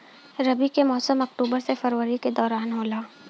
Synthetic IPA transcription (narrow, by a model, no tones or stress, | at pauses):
ɾɐbikemɔːsəmɐkʈuːbəɾsefɐɾʋəɾiked̪ɔːɾaːnɦoːlaː